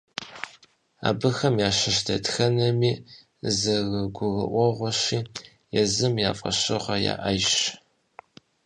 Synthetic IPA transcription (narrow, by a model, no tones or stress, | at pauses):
a̰ːbɨxɐmjaːɕɪʃdʰɐtxɐnɐmiː | zɐɣɐɡʷʊɣɐ̰ʔʷɔʁʷɔɕiː | jɛzɨmjaːfʼɐ̰ɕɨʁʷɐja̰ːʔɐjɕ